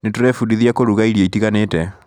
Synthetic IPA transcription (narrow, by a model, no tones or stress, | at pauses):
netoɾɛfudiðjakoɾuɣaiɾjeitiɣanetɛ